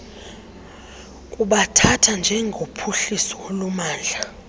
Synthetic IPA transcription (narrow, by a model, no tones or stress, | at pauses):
kʼuɓatʰatʰand͡ʒʱɛŋɡʱopʰuɬisɔwolumaːnd͡ɮʱa